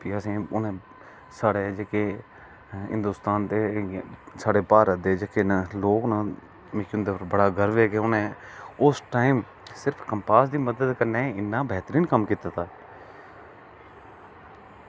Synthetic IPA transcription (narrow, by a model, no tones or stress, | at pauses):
piːəsĩːʊnẽː | saːɽeːd͡ʒeːkeː | ɦɪ̰̃nd̪uːst̪aːnd̪eː | saːɽeːpaːɾət̪̚d̪eːd͡ʒeːkeːnaloːknãː | mẽːkːʊnd̪eːpəɾbəɽaːɡəɾʋeːkeːʊnẽːʊsʈaːim | sɪɾpʰkəmpaːsd̪iːməd̪əd̪kəɾneːɪnːaːbɛːt̪əɾiːnkəmkiːt̪aːt̪aː